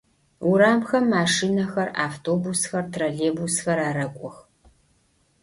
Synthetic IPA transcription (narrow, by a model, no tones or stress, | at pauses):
ʊɾaːmxɐmːaːʂiːnɐxɐra̰ːftʰoːbusxɐrtʰrɐɮeːbusxɐɾaːɾɐkʷʼɔx